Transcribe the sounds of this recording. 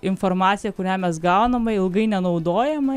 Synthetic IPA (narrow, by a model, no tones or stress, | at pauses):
ɪnfoɾmɑːt̪sʲɪjɛkʊɾʲæːmʲɛs̬ɡɐʊnɐmɐɪlˠɡɐɪnʲɛnɐʊd̪oːjɛmɐ